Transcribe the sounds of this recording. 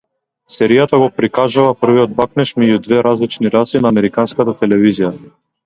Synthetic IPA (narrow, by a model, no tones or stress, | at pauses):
sɛɾijat̪aɡɔpɾikaʒuvapr̩viɔd̪̚baknɛʃmɛɟud̪vɛɾazlit͡ʃniɾasinaːmɛɾikanskat̪at̪ɛlɛvizija